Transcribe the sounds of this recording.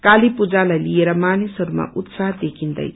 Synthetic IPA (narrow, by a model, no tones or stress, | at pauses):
kalipud͡zalajlieɾʌmanisʌɾuma̰ut̪saɦd̪ekʰind̪ʌ̰j